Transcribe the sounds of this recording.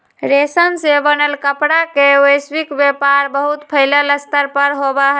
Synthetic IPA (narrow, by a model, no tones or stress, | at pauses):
ɾesənsebənəlkəpɽakewəjsbikbjepaɾbəɦut̪pʰəɪlələst̪əɾpəɾɦobəɦ